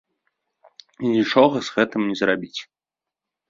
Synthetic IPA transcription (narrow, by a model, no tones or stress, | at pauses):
inʲit͡ʂɔɣɐzɣɛt̪ɨmnʲɛzrabʲit͡sʲ